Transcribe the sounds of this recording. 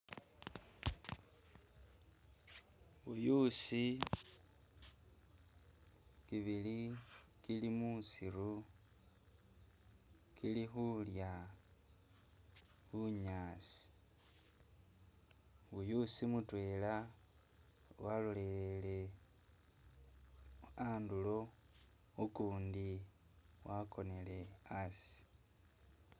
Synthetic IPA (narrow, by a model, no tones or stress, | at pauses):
βujusi | kiβilikilimusiɾu | kʰilixulja | xuɲaːsi̥ | βujusimutwe̞ːla | walule̞lele̞ | andulo̞ | ukuːndi | wako̞ne̞le̞asi̥